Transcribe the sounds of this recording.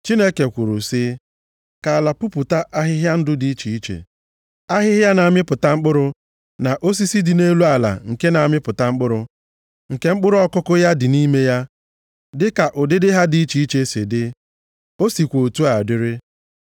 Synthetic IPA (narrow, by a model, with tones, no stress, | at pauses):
t͡ʃi˦ne˦ke˨kʷʊ˨ɾʊ˨sɪ˦ | ka˨la˨pʊ˦pʊ˨ta˦ʔa˦ɦɪ˦ɦja˦n̩˦dʊ˦di˦i˦t͡ʃi˨i˦t͡ʃḛ˨ | a˦ɦɪ˦ɦja˦na˨a˨mɪ˦pʊ˨ta˦ŋ͡m̩˦k͡pʊ˦ɾʊ˨ | na˨ʔo˦s̬i˦si˦dɪ˨ne˦lu˦a˨la̰˨ŋ̩˨ke˦na˨a˨mɪ˦pʊ˨ta˨ŋ͡m̩˦k͡pʊ˦ɾʊ˨ | ŋ̩˨ke˦ŋ͡m̩˦k͡pʊ˦ɾʊ˦ɔ˦kʊ˦kʊ˦ja˦dɪ˨ni˦me˦ja˦ | dɪ˦ka˨ʔʊ˨dɪ˦dɪ˦ɦa˦di˨˦i˦t͡ʃi˨i˦t͡ʃe˦se˨dɪ˦ | o˦si˨kʷo˨tu˦a˨dɪ˦ɾɪ˦